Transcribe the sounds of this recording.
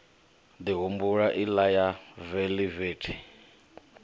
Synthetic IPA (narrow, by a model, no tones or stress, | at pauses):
d̪iɦumbuɺaʔilajaveliveːtʰi̥